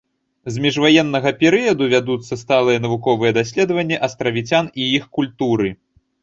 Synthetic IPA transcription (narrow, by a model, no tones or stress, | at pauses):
zmʲiʐvajɛnːɐɣɐpʲɛɾɨjɐd̪uvʲad̪ut̪sːɐst̪alˠɨjɛnɐvukɔvɨjɛd̪asʲlʲɛd̪ɐvɐnʲːɛʔɐst̪ɾɐvʲit͡sʲaniixkulʲt̪uɾɨ